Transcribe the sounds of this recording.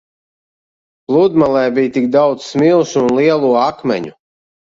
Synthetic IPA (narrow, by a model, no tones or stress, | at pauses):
plˠud̪malˠɛːbijt̪ikd̪awd̪ssmilˠsuːnlˠiɛlˠuːakmʲɛ̰ɲu